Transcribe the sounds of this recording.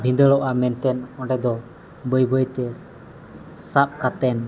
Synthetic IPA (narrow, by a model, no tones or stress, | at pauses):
bʱĩnd̪əɭɔʔamɛnt̪ɛnɔ̃ɳɖɛd̪ɔ | bəjbəjt̪ɛ | sap̚kat̪ɛn